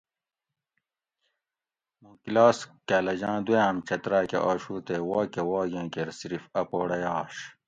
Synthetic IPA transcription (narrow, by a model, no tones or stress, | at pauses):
mũːkilaːskaːlɐd͡ʑãːd̪ujaːmt͡ɕɐt̪ɾaːkḛʔaːɕuːt̪ewaːkewaːɡẽːkeɾsiɾifɐpoːɽɐjaːɕ